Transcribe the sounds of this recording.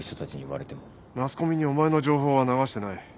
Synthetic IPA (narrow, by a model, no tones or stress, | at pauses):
çi̥t̪o̞t̪at͡ɕiɲ̟iiβa̰ɾe̞t̪e̞mo | masɨ̥ko̞mʲiɲ̟io̞mae̞no̞ʑo̞ːɦo̞ːβanaɡaɕi̥t̪e̞nai